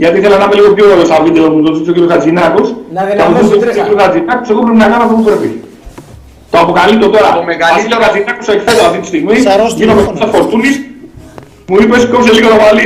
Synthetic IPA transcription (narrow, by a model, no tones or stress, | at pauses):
ʝɐt̪iθelɐnɐmeliɣo̞pçooɾeosɐvid̪eopmuðosisociɾjoskɐd͡zinɐkosɐmoosokiɾjokɐd͡zinɐkoseɣopɾepinɐkɐnoft̪opupɾepi | t̪oɐpokɐlit̪ːot̪o̞ɾɐeɐiokɐd͡zinɐkosekfet̪osaft̪it̪ist̪iɣmiʝinomest̪opsɐsfoɾt̪unis | muipe̞skops̬eliɣolomɐli